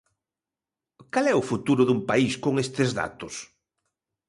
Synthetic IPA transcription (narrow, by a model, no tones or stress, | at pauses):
kalɛʊfut̪uɾʊðumpaiskoŋest̪ezða̰t̪ʊs